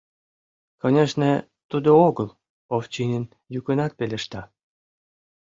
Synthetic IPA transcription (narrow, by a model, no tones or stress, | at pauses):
konʲeʂnə | t̪ud̪ooɣəlˠ | oft͡ɕinʲen | jukənɑt̪̚pelʲeʃt̪ɑ